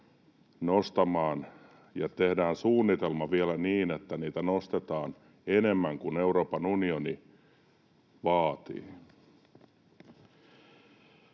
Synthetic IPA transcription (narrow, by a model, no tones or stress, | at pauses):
nost̪ɑmɑːn | jɑt̪ehdæːnsuːnːit̪elmɑʋielæniːnet̪ːæniːt̪ænost̪et̪ɑːn | ene̞mːæŋkune̞wɾo̞ːpɑnunioni | ʋɑːt̪ḭː